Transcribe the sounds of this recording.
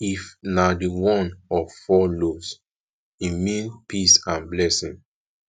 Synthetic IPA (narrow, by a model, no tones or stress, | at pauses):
ifnadiwɔ̃nɔfɔlos | imĩnpʰisãnblɛsĩŋ